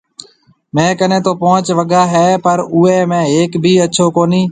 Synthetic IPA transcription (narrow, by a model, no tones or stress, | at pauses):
mɛ̃ːkənẽːt̪oːpoːt͡ʃʋəɡaːɦɛːpəɾʊːeːmẽːeːkbʱiːətːʃʰoːkoːniː